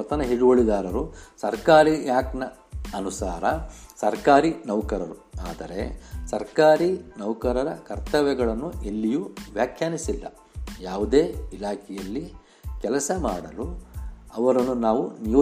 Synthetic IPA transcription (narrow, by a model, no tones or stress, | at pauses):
ɐt̪ɐnɐɦiɽuɡoɭid̪aːɾɐɾusɐɾkaːɾijaːknɐ | ɐnusaːɾɐsɐɾkaːɾinɐʋkɐɾɐɾuaːd̪ɐɾe̞̰sɐɾkaːɾinɐʋkɐɾɐɾɐkɐɾt̪ɐʋɛɡɐɭɐnːuelːijuʋjaːkʰjaːnisilːɐ̰ | jaːʋud̪e̞ːilaːkʰɛjɐlːi | kɛlɐsɐmaːɽɐluɐʋɐɾɐnːunaːʋunijoː